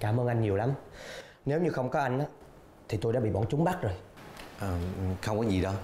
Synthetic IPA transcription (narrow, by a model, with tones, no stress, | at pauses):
kaː˧˩mʔəː˧nʔa˧jŋ̟ɲi˨˩əwla˨˦m | ne˨˦wɲɨ˧xə˧wŋ͡mkɔ˨˦ʔa˧jŋ̟ʔaː˨˦ | t̪ʰi˨˩t̪o˧jɗaː˧˦ɓḭ˧˨ɓɔ˧˩nt͡ɕʊ˨˦ŋ͡mɓa˦˥t̚zo˨˩jʔəː˨˩˨xə˧wŋ͡mkɔ˨˦zi˨˩ɗɔ˨˦